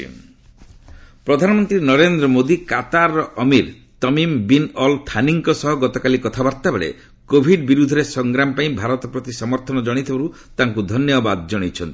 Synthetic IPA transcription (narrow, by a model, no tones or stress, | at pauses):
pɾɔd̪ʱanɔmɔnt̪ɾinɔɾend̪ɾɔmod̪ikat̪aɾːɔʔɔmiɾ | t̪ɔmimbinɔlt̪ʰaniŋkɔsɔɦɔɡɔt̪ɔkalikɔt̪ʰabaɾt̪abeɭḛ | kobʱiɖbiɾud̪ʱɔɾesɔŋɡɾamɔpaĩbʱaɾɔt̪ɔpɾɔt̪isɔmɔɾt̪ʰɔnɔd͡ʒɔɽ̃it̪ʰibaɾu | t̪aŋkud̪ʱɔnjɔbad̪d͡ʒɔɽ̃it͡ʃʰɔnt̪i